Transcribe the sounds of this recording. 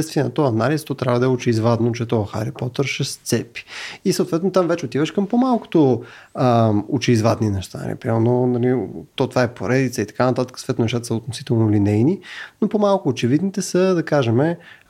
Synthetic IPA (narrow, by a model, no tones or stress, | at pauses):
ɛtst̪viɛnɐt̪ɔɐnalist̪ɔt̪ɾʲavəd̪ɐɛʊt͡ʃɛizvad̪not͡ʃɛt̪ɔxa̰ɾipɔt̪əɾʃɛst̪sɛpi̥isəot̪vɛt̪not̪amvɛt͡ʃɛot̪ivəʃkəmpomalˠko̥t̪o | ʊt͡ʃɛizvad̪ninɛʃt̪anɐ̰lḭpɾimɛɾnonɐlit̪ɔt̪vaɛpoɾɛd̪it̪səit̪ɐ̥kanɐt̪at̪əkə̥sot̪vɛt̪nonɛʃt̪at̪əsəot̪nosit̪ɛlˠnolinɛjninopomalˠkʊːt͡ʃɛvid̪nit̪ɛsəd̪ɐkaʒɛmɛ